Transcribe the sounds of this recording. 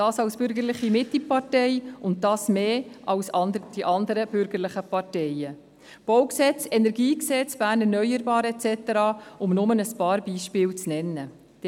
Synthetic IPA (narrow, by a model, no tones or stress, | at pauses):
d̥ɑːsɑwsb̥ʏɾɡəɾlɪχimɪt̪lipɑɾtɛjʊnt̚dɑːsmeːʔɑwsɑndəd̥iʔɑnd̪əɾəb̥ʏɾɡəɾlɪχəpɑɾtɛjə | b̥ɔwksɛt͡sɛnɛɾɡiːksɛt͡sb̥æːɾnɛɾnœʏəɾbɑːɾɛt͡sɛt̪əɾɑːʊmnʊmənəspɑːɾbiːʃpɪːwt͡snɛnːə̥